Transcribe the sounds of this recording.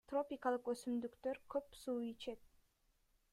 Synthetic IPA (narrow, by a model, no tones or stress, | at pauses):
t̪ro̞pʲikalˠɯqøsymd̪ykt̪øɾkʰø̞psuːit͡ʃe̞t̪̚